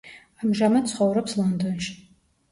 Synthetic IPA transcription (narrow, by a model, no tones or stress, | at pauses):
amʒamɐsχawɾɐpslandonʃ